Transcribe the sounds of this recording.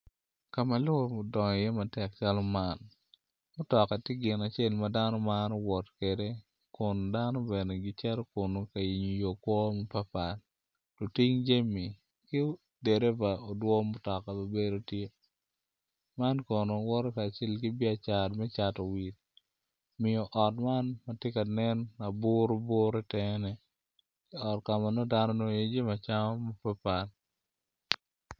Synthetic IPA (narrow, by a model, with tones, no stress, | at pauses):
ka˨ma˨lʊ˦o˨mo˨dɔ˨ŋ˨jɛ˦ma˨tɛ˨k̚t͡ʃa˦lɔ˦ma˦n | mʊ˦tɔ˨ka˨tɪ˦ɡɪ˨na˨t͡ʃe˦lmada˦nɔ˦ma˦nɔ˦wɔ˨tke˨de˦ | kʊ˨nda˦nɔ˦be˨ne˨ɡɪ˦t͡ʃɛ˦ɾɔ˦kʊ˨no˨ka˨i˨ɲu˨jo˨kwɔ˦mɔ˦pa˦pa˨l | lo˨ti˦ŋd͡ʒe˦mi˨ | kɪ˦ | de˨ɾe˦va˨o˨dwɔ˦mʊ˦tɔ˨ka˨ba˨be˦ɾo˦tje˦ | ma˦nkɔ˨no˨wɔ˦ɾɔ˦ka˨t͡ʃɛ˦lkɪ˦bɪ˦a˨t͡ʃa˨dmɛ˦t͡ʃa˨to˨wi˨t̚ | mɪ˨ɔ˨ʔɔ˨tma˦nma˦tje˦ka˨nɛ˦nːa˨bʊ˦ɾo˦bʊ˦ɾɛ˦tɛ˦nɛ˨ | kɪ˦ɔ˨tka˨ma˨no˦da˦nɔ˦no˦jo˨d͡ʒe˦ma˨t͡ʃa˦ŋɔ˦mo˦pa˦pa˨l